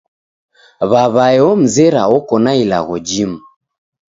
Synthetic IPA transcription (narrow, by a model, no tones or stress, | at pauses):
βaβaɛɔm̩zɛɾaɔkɔnaila̰ɣɔd͡ʒimu